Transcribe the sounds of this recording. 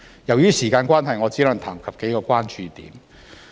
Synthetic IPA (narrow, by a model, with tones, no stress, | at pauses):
jɐ˨˩wjyː˥siː˨˩kaː˧nkʷwʷaː˥nɦɐ˨jŋɔː˨˧t͡siː˨˥lɐ˨˧ŋt̪ʰaː˨˩ŋkʰɐ˨p̚ke˨˥jkɔː˧kʷaː˥nt͡ʃyː˨t̪ḭː˨˥m